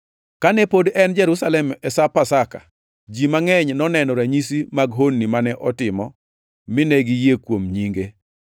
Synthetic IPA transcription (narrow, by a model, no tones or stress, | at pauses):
kanɛpodɛnd͡ʒɛɾusalɛmɛsapasaka̰ | d͡ʒimaŋɛɲnɔnɛnɔɾaɲisimaɡɦonːimanɛʔɔtɪmɔ | mɪnɛɡijekwomɲiŋɡe